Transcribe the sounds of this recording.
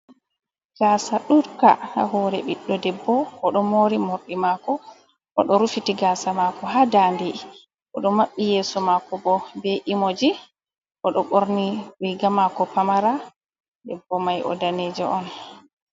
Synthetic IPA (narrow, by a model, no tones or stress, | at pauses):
ɡ̥aːsaɗuɾka̰ha̰hɔɾɛɓiɗːɔdɛbːɔːɗɔmoːɾimoɾɗimakɔ | ʔɔɗɔɾufitiɡaːsamakɔɦaːdandi | ʔɔɗɔmːaɓːijɛːsɔmakɔbɔbeʔimod͡ʒi | ʔɔɗɔɓoɾniwiɡamakɔpamaɾa | dɛbːɔmajʔɔ̰daneːd͡ʒɛʔɔn